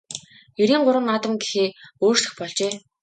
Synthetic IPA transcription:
jɵɾiːŋɢʊɾə̆ŋat̪ə̆mɡexeːoːrsɮɘ̆xpɔɮt͡ɕeː

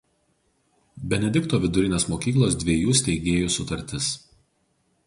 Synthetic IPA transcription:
bʲɛnʲɛd̪ʲɪkt̪oːʋʲɪd̪ʊɾʲɪnʲeːsmoːkʲiːklˠoːsd̪ʲʋʲiɛjuːsʲt̪ʲɛɪɡʲeːjuːsʊt̪ɐɾʲt̪ʲɪs

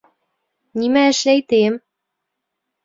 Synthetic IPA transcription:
nimæɘ̆ʃlæjt̪em

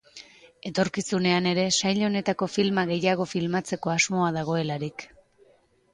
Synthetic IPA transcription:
e̞t̪o̞ɾkisune̞ane̞ɾe̞sajʎo̞ne̞t̪ako̞filmaɣe̞jaɣ̞o̞filmat͡se̞ko̞azmo̞aðaɣ̞o̞e̞laɾik

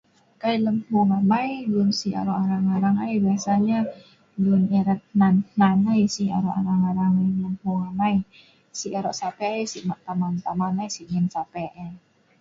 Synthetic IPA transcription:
kailəmhuŋamajlʊnsia̰ɾɔʔaɾaŋaɾaŋajbiasaɲa | lunɛɾət̪̚nannanajsia̰ɾɔʔaɾaŋaɾaŋaləmhuŋamai | siʔaɾɔʔsapɛɛjsiʔmaʔt̪amant̪amanajsiʔɲɛnsapɛʔɛ

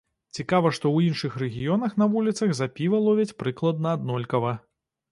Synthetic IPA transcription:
t͡sʲikavɐʂt̪ɔwinʂɨxrɛɣʲijɔnɐxn̪ɐvulʲit̪sɐɣzapʲivɐlˠɔvʲit͡sʲpɾɨklˠɐd̪̚nɐːd̪nɔlʲkɐvɐ

